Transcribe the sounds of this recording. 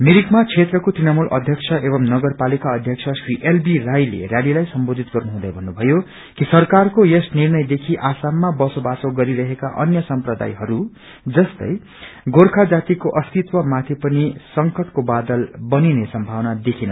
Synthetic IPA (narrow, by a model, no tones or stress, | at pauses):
miɾikmat͡sʰet̪rʌkot̪rinʌmulʔʌ̰d̪ʱjʌkt͡sʰʌʔebʌmnʌɡʌrpalikaʌd̪ʱjʌk̚t͡sʰʌsriʔelbirajlḛrjalilajsʌmbod̪ʱit̪ɡʌrnuɦũd̪ʌjbʱʌnːubʱʌjo | kisʌrkarkojesnirnʌjd̪ekʰiʔasamːabʌsobasoɡʌɾiɾʌɦekaʔʌ̰njʌsʌmprʌd̪a̰jɦʌɾu | d͡zʌst̪ʌ̰j | ɡorkʰad͡zat̪ikoʔʌst̪it̪wʌmat̪ʰipʌnisʌŋkʌʈkobad̪ʌlbʌninesʌmbʱawnad̪ekʰinʌ